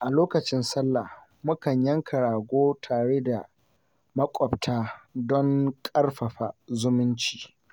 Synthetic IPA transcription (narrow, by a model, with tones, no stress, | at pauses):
ʔa˨loː˦kɐ˨t͡ʃɪ˦nsɐ˦lːa˨h | mʊ˦kɐ˨ɲjɐ˦ŋkʰɐ˨ɽaː˨ɡʷoː˦tʰaː˨ɽeː˦da˨ | mɐ˦kʷʼɔ˨btʰaː˦dɔ˦ŋkʼɐ˦rɸɐ˨ɸa˨zʊ˦mʊ˦nt͡ʃi̥ː˨